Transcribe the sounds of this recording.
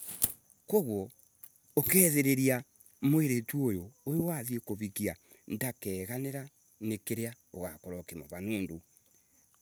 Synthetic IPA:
koɣwɔ | okɛːðeɾeɾia | moeɾetuojoːjowaðiekoβikia | ndakɛːɣaneɾa | nekeɾea | oɣakoɾɔkema̰βanoːndo

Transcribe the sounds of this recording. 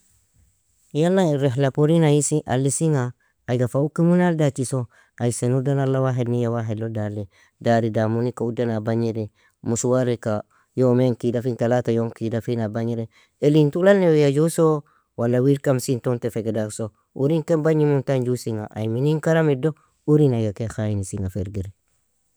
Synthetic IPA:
jalːaiɾeɦlapoɾinajisiʔa̰lːisiŋaː | jɡafaukːimunaldatiso | aisenudanalːawaɦednijawaɦedlodale | daɾidamunikaudanabaɲiɾe | musuwaɾeka | jomeŋkidafintalatajoŋkidafinabaɲiɾe | elintulalnːewjad͡ʒuso | walːawiɾkamsintontefeɡedakso | uɾiŋkembaɲimuntand͡ʒusiŋa̰ʔa̰jminiŋkaɾamido | uɾinajɡakexajinisiŋafeɾɡeɾe

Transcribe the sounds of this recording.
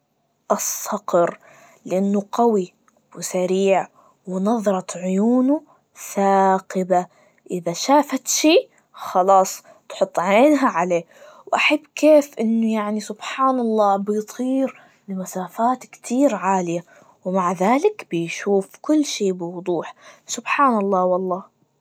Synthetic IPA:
ʔɑsˤːɑqɾ | lɪʔanːʊqɑwi | wɪsaɾiːʕ | wɪnɑðˤɾˤɑt̪ʕʊjuːnu | θaːqɪba | ʔɪðaʃaːfat̪ʃiː | xɑlɑːsˤ | t̪ħʊt̪ˤːʕeːnɦaʕaleː | wʔaħabːkeːfʔɪnːʊjaʕnisʊbħaːnɑlˤːɑːbɪjt̪ˤʰiːɾ | lɪmasaːfaːt̪kt̪ʰiːɾʕaːlɪja | wmaʕðaːlɪkbɪjʃuːfkʊlːʃeːbɪwʊd̪ˤuːħsʊbħaːnɑlˤːɑːwɑlˤːɑː

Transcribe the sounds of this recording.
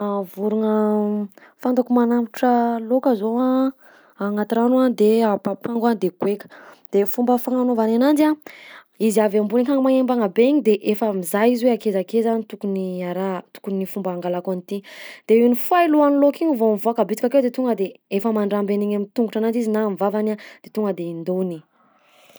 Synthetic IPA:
avuɾuŋə | fand̪akumanamiʈ͡ʂəlokəzoa | aŋat̪iɾanuad̪eapapaŋɡand̪eɡ̥wekə̥d̪̥efumbəfaŋanovananand͡ʒia | iziavambunikaŋmaembaŋabeɲid̪eʔefəmizajiziweakezakezanit̪ukuniaɾat̪u̥kunifumbaːŋɡalakonit̪id̪̥einifajiluanilokiɲivomvoakabit͡s̪i̥kʲakewd̪et̪uŋɡəd̪eefəmaɳɖ͡ʐambeniɲamint̪uŋɡuʈ͡ʂananɖ͡ʐizinamivavanad̪̥et̪uŋɡəd̪eind̪oni

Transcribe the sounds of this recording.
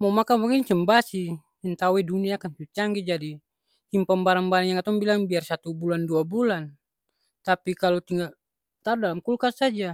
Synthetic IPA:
mamakapaɡɛŋt͡ʃəmbasi | ɛnt̪awɛduniaːkant͡ʃut͡ʃaŋɡɛd͡ʒadi | himpambaɾaŋbaɾaŋjaŋkat̪ɔŋbilaŋbiarsat̪ubulanduabulan | t̪apikalɔt̪iŋɡal | t̪aɾudalamkulkasad͡ʒa

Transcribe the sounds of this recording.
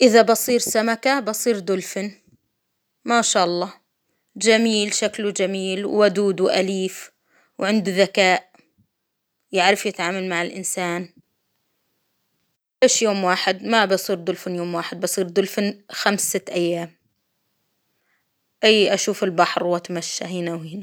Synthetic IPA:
ʔɪðabɑsˤiːɾsamakabɑsˤiːɾd̪ʊlfɪn | maʃaːʔɑlˤːɑː | d͡ʒamiːlʃaklud͡ʒamiːlwːad̪uːd̪wʔa̰liːf | wʕɪnd̪uðakaːʔ | jaʕɾɪfjɪt̪ʕaːmalmaʕɪlʔɪ̰nsaːn | ʔeːʃjoːmwaːħɪd̪mabɑsˤiːɾd̪ʊlfɪnjoːmwaːħɪd̪̚bɑsˤiːɾd̪ʊlfɪnxamsɪt̪ʔajːaːm | ʔɪjːʔaʃuːfɪlbaħɾwʔat̪maʃːa̰ɦɪːnawhiːna

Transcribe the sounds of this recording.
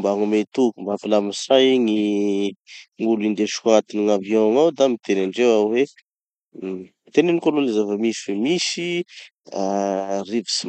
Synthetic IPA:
mbaŋumet̪ukumbafilamisajiŋi | ŋulind̪eʃkat̪iniŋavjɔ̃ŋawd̪amit̪enaɳɖ͡ʐewawwe | it̪enenikololezavəmiswemisi | arivisi

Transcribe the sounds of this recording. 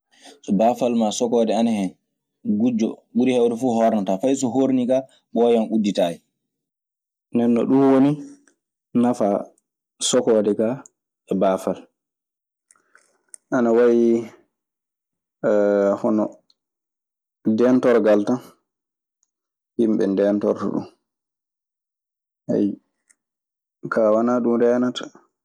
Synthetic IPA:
sɔbaːfalmasɔkɔːdɛanahɛn | ɡud͡ʒɔ̰ɡudihɛwdɛfuːhɔɾnatafajs̬ɔɦoɾnika | ɓɔjanudːitaːjɛ | nɛnːɔ̰ɗunwoni | nafa | sɔkɔːdɛka | ɛbaːfal | ʔanawawi | hɔnɔ | dɛntɔɾɡaltan | himɓɛ̰ndɛːntɔ̰ɾta̰ɗṵm | hɛ̰j | kaːwanaɗumdɛnatḁ

